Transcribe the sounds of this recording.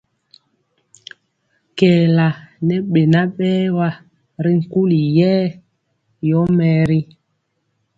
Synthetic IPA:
kɛ˨la˨nɛ˦ɓe˨na˦ɓɛː˦wa˦ | ɾi˦ŋ̩˨ku˦li˨jɛː˦ | jɔ˦mɛ˨ɾi˦

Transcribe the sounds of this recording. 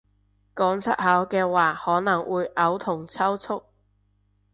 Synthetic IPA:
kɔː˨˥ŋt͡sʰɐ˥t̚haː˨˥wkɛː˧waː˨hɔː˨˥nɐ˨˩ŋwuː˨˧jʔɐ˨˥wt̪ʰʊ˨˩ŋt͡sʰɐ˥wt͡sʰʊ˥k̚

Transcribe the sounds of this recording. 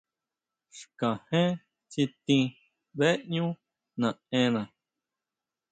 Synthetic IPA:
ʂkã˨hẽ˦ | t͡si˧t̪ĩ˧ | be˦ʔɲũ˦ | nã˨ẽ˧nã˨

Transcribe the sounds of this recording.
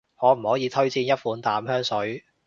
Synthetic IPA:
hɔː˨˧m̩˨˩hɔː˨˥jiː˨˧t̪ʰɵ˥ɥt͡siː˧njɐ˥t̚fuː˨˥nt̪aː˨˥mhœː˥ŋsɵ˨˥ɥ

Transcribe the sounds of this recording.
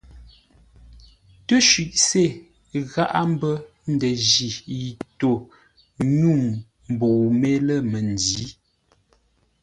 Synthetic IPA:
tə˦ʃɥi˨ʔse˦˨ | ɣa˦ʔa˦m̩˦bə˦ | n̩˦də˨ʒi˨i˨to˨ | ɲu˦˨m | m˨bo˨me˦lə˦˨mə˨n˨di˨˦

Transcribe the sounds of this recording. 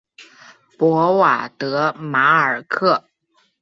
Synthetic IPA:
pwɔ˧˥wa˨˩t̪ɤ˧˥ma˧˥ə˞˨˩kʰɤ˥˩

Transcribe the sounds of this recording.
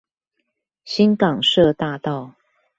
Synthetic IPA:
ɕi˦˥nkɑ˨˩ŋʂɤ˥˧t̪a˥˧t̪ɑ˥˨ʊ

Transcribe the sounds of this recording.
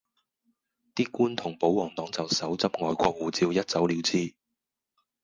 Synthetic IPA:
t̪iː˥kuː˥nt̪ʰʊ˨˩ŋpo˨˥wwɔː˨˩ŋt̪ɔː˨˥ŋt͡sɐ˨wsɐ˨˥wt͡sɐ˥p̚ŋɔː˨jkʷɔː˧k̚wuː˨˩t͡siː˧wjɐ˥t̚t͡sɐ˨˥wliː˨˧wt͡siː˥

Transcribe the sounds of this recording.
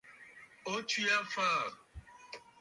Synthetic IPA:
o˦t͡ʃu˦ja˦faː˦˨ɾ

